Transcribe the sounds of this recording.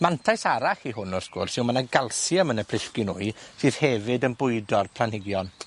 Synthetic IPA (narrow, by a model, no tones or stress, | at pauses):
mantʰajsaɾaχiɦʊnɔrsɡ̥ʊrsɪwmanaɡalˠsjəmənəpʰrɪɬkɪnʊɨsɨːð̥hɛvɨdənbʊɨdɔrpʰl̥anhɪɡjɔn